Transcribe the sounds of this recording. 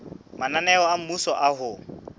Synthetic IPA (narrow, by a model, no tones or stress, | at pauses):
mananɛɔam̩musɔʔaɦʊ